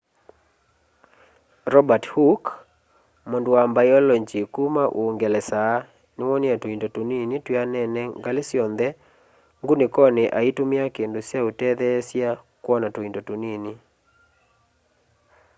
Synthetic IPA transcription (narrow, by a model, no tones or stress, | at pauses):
ɾɔbathuk | mɔndwambajɔlɔɲt͡ʃikumaʔuŋɡɛlɛsa | nɪwɔnjatoindotuninitwianɛnɛŋɡalɪsjɔnd̪ɛ | ŋɡunɪkɔnɪʔaitumiakendosjautɛðɛsja | kwɔnatoindotunini